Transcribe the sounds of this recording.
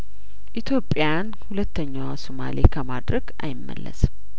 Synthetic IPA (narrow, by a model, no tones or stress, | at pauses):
ʔit̪ʰjo̞pʼːjan | hulət̪ːəɲːawasoma̰lekʰəmad̪ɾəɡʔajɪmːə̰lːʔə̰sɨm